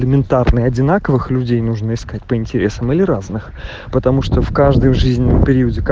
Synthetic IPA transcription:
lʲɪmʲɪnt̪arnɨjɐdʲɪnakəvɨxlʲʉdʲejnuʐnəɪskat̚ʲpəɪnʲtʲɪɾʲe̞səmilʲɪɾaznɨx | pət̪ɐmuʂt̪ofkaʐd̪ɨjʐɨzʲnʲɪnːəmpʲɪɾʲiʊədʲɪk

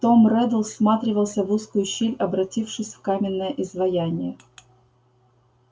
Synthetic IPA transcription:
t̪omɾɛd̪əlˠsmat̪ɾʲɪvəlˠsʲəvuskʊjʊɕːilʲɐbɾɐtʲifʂɨsʲfkamʲɪnːəjəʔɪzvɐjanʲɪjə

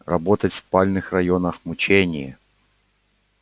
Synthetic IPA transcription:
rɐbot̪ətʲfspalʲnɨxrɐjonəxmʊt͡ɕenʲɪjə

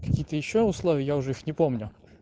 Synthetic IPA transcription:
kɐ̥kʲijət̪əjɪɕːoʊslˠovʲɪjəjaʊʐɛixnʲɪpomnʲʊ

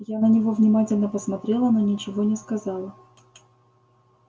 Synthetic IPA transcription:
janənʲɪvo̞vnʲɪmatʲɪlʲnəpəsmɐt̪ɾʲe̞lˠənonʲɪt͡ɕɪvonʲɪskɐzɑlˠə

